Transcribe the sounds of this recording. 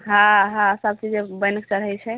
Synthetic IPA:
ɦãɦãsəb̚t͡ʃid͡ʒebəjnək̚t͡ʃəɾɦəjt͡ʃʰɛ

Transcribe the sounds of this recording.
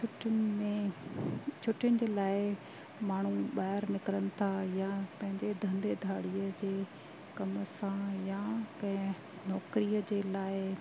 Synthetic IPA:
ʊʈmẽ | t͡ɕʰʊʈɪjʊnɪ̆d͡ʑeːlaːɪ | maːɳ̤uɓaːɪɾnɪkɾənɪ̆t̪ʰajapɐ̃ɦɪ̃ɲd͡ʑed̪ʱɐ̃nd̪ed̪ʱaːɽijəd͡ʑeː | kɐmsãjakɐ̃ɦɪ̃ | nɔːkɾijəd͡ʑeːlaːɪ

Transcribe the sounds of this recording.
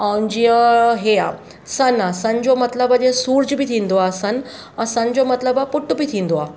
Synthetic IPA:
aund͡ʑiəɦea | sənasəɲd͡ʑomət̪ləbəd͡ʑesuːɾd͡ʑbʱit̪ʰĩnd̪oasən | ãsə̃ɲd͡ʑomət̪ləbapuʈːubit̪ʰĩnd̪oa

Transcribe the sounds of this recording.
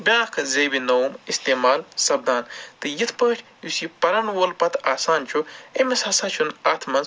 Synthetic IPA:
bʲãːkʰɐzeːbinɐwmist̪eːmaːlsɐb̚d̪aːnt̪ɨjit̪ʰpəːʈʲʰjusipɐɾɐnwoːlpɐt̪ʰaːsaːnt͡ʃʰuemesɐsat͡ʃʰunaːt̪ʰmɐnz

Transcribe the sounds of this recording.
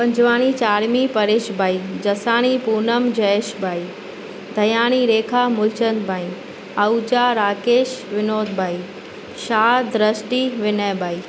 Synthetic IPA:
pɐ̃ɲd͡ʑʋaːɽ̃it͡ɕaːɾmipɐɾeːʃbʱaːid͡ʑɐsaːɽ̃ipuːnəmd͡ʑɐeʃbʱaːiː | d̪ʱɐjaːɽ̃iɾeːkʰaːmʊlt͡ɕənd̪bʱaːĩ | ɐud͡ʑaɾaːkeːʃʋɪnoːd̪bʱaːiː | ʃaːd̪ɾəsʈiʋɪneːbaːiː

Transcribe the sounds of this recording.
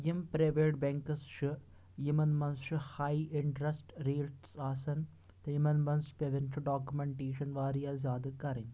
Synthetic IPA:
jimpɾeʋeːʈ̚beŋkɐsʃɨ | jimɐnmɐnsʃɨhɐjɪɳʈɾɐsʈɾiːlʈsaːsɐn | t̪ɐimɐnmɐnspeʋenʃɨɖaːkjumeɳʈeːʂɐnʋaːɾijaːzʲjaːd̪ɐkɐɾɐn

